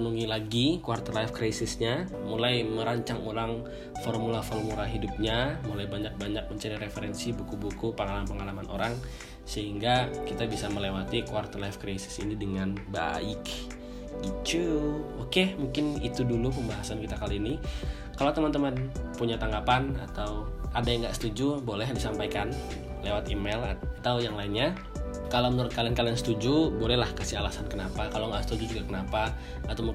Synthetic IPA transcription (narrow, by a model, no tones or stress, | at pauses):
nuŋilaɡikuwart̪ərlajfkɾajsɪsɲa | mulajməɾaɲt͡ʃaŋuɾaŋ | fɔrmulafɔrmulaɦidup̚ɲamulajbaɲak̚baɲak̚məɲt͡ʃaɾiɾefeɾɛnsibukubukupəŋalampəŋalamanʔo̰ɾaŋ | səɦiŋɡakit̪abisaməlewat̪ikuart̪ərlajfkɾajsɪ̥sḭnidəŋanba̰ɪk | ɡit͡ʃuokemuŋkɪnḭt̪udulupəmbaɦasankit̪akaliːni | kalawt̪əmant̪əmanpuɲat̪aŋɡapana̰t̪awʔadajaŋɡaʔsə̥t̪ud͡ʒubolɛɦndisampajkan | lewat̪imelat̪awjaŋlainɲa | kalawmənəɾʊt̪̚kaliankaliansə̥t̪ud͡ʒubolɛlahkasiɦalasankənapakalaŋɡasə̥t̪ud͡ʒud͡ʒuɡakənapa | at̪awmu